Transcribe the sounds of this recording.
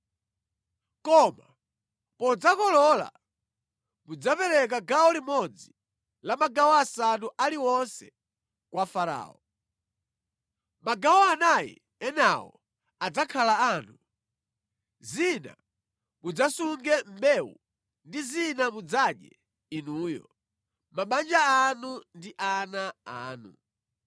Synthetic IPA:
kɔma | pɔd͡zakɔlɔla̰ | mud͡zapɛɾɛk̬aɡaɔlimɔd͡zi | lamaɡawɔasanuʔaliwɔnsɛ | kwafaɾa̰ːɔ | maɡawɔanajɛ̰ | ɛnawɔ̰ | ad͡zakʰalaanu | zina̰ | mud͡zasuŋɡɛm̩bɛwṵ | ndizinamud͡zaɗjɛ̰ | inuːjɔ̰ | maɓand͡ʒaanundiʔanaa̰ːnṵ

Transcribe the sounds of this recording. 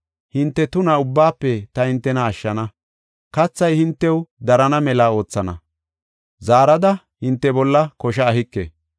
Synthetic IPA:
hɪnt̪ːɛt̪ʊnɐʊbːaːpːɛt̪ɐhɪnt̪ːɛnɐːʃːɐnɐ | kɐt͡sːɐjhɪnt̪ːɛwd̪ɐɾɐnɐmɛlaːo̞ːt͡sːɐnɐ̰ | zaːɾɐd̪ɐ | hɪnt̪ːɛbɔlːɐkɔʃɐːɦɪkːḛ

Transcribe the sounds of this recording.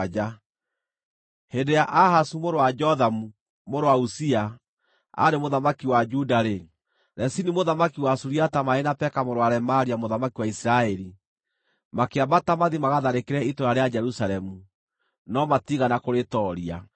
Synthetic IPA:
d͡ʒa | hendejaʔahasumoɾowad͡ʒɔðamu | moɾowausia | a̰ɾemoðamakiwad͡ʒudaɾe | ɾɛsinimoðamakiwasuɾiatamaenapɛkamoɾwaɾɛmaɾiamoðamakiwaisɾaɛɾi | makeabatamaðimaɣaðaɾekeɾɛitoɾaɾead͡ʒɛɾusaɾɛmu | nɔmatiɣanakoɾetɔɾia

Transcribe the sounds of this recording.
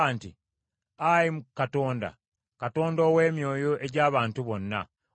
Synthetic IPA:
aːnti | ajimukato̞ːnda̰ | kato̞ːndoːwe̞ːmjo̞ːjoʔe̞ɟaːβaːntuβo̞nːa̰

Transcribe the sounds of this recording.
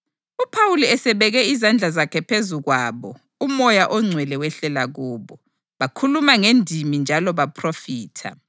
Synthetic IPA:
upʰawuliɛsɛβɛɣɛizand͡ɮʱazakʰɛpʰezuɣwaːβɔ | umɔjaʔɔŋ͡ǀʱwɛlɛwɛɬɛlaɣuːβɔ | βakʰulumaŋendʱimind͡ʒʱalɔβapʰrofiːtʰa̰

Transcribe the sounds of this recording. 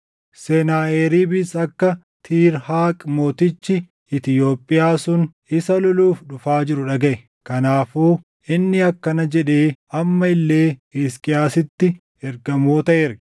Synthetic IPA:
sɛnaːeːɾiːbɪsɐkːɐ | t̪ʰiːɾhaːkʼmo̞ːt̪ɪt͡ʃːɪ | ɪt̪ɪjo̞ːpʼːɪjaːsʊn | ɪsɐlɔluːfᶑʊfaːd͡ʒɪɾʊᶑɐɡɐʔɛ | kɐnaːfuː | ʔɪnːɪɐkːɐnɐd͡ʒɛᶑeːɐmːɐɪlːe̞ːiskʼɪjaːsɪt̪ːɪ | ɛɾɡɐmoːt̪ɐʔɛɾɡɐ̥

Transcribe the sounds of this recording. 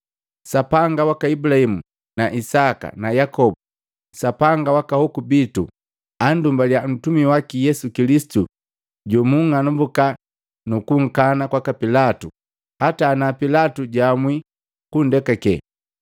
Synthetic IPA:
sapaŋɡawakaibulahimu | naʔisaka̰najakɔbu | sapaŋɡawakahɔkubitu | andumbaljan̩tumiwakijɛsukilisi̥tu | ɟɔmuŋŋanumbuka | nukuŋ̩kanakwakapilatu | hataːnapilatuɟamwi | kundɛkɛkɛ̰

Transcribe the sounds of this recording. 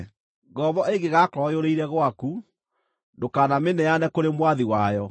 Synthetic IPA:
ɡɔβɔeɡeɣakɔjoɾeiɾɛɣwaku | ndokaːnamenɛjanɛkoɾemwaðiwajɔ

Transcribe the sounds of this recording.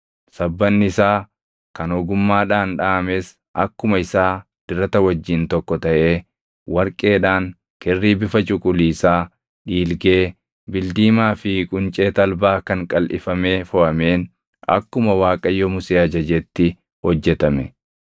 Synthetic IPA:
sɐbːɐnːɪɪsaː | kɐnɔɡʊmːaːᶑaːnᶑaːɐmeːs | ʔɐkːʊmɐɪsaː | d̪̥ɪɾɐt̪ɐwɐd͡ʒːɪnt̪ɔkːɔt̪ɐʔeː | wɐɾkʼe̞ːᶑaːŋ | kɪrːiːbɪfɐt͡ʃʼʊkʼʊliːsaː | ᶑiːlɡeː | bɪld̪iːmaːfɪkʼʊnt͡ʃʼeːt̪ɐlbaːkɐŋkʼɐlʔɪ̰fɐme̞ːfɔʔɐme̞ːn | ɐ̰kːʊmɐwaːkʼɐjːɔmʊseːɐd͡ʒɐd͡ʒɛt̪ːɪ | hɔd͡ʒːɛt̪ɐmɛ

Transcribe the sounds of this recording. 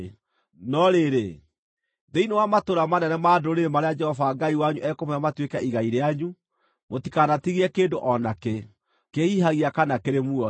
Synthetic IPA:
nɔɾeɾe | ðeinewamatoɾamanɛnɛmaːdoɾemaɾead͡ʒɛhɔvaːŋɡaiwaɲuʔɛkomeamatwekaiɣaiɾeaɲu | motikanatiɣiɛkeːndoʔɔnake | kehiɦaɣiakanakeɾemuɔ

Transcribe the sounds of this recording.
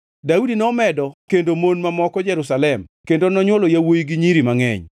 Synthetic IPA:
daudinɔmɛdɔkendomonmamɔkɔd͡ʒɛɾusalɛmkendonɔɲwɔlojawojiɡiɲiɾimaŋɛ̰ɲ

